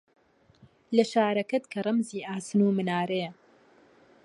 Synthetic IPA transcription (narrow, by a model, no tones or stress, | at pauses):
lɐʃaːɾɐkɐt̪kʰɐrˤɐmziːʔaːsɨnuːmɨnaːɾej